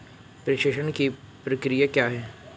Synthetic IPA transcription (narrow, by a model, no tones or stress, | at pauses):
pɾɐʃeʃənki | pɾɐkɾijakjaːɦɛː